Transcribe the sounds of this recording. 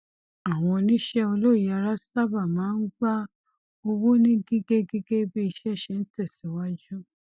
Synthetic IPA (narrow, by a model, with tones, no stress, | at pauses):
a˨w̃ɔ̃˧nĩ˦ʃɛ˦o˧lo˦˨˦a˧ɾa˦sa˦ba˦˨mãː˨˦n̩˦ɡ͡ba˦ | o˧wo˦nĩ˦ɡi˦ɡe˦ɡi˦ɡe˦bi˦i˧ʃɛ˦ʃe˧˦n̩˦tɛ˦˨si˨˦wa˦d͡ʒu˦